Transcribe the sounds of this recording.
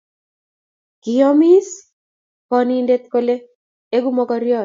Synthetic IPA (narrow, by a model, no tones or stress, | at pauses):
kiɔmis | kɔnindet̪̚kole | eɡumɔkɔɾjɔ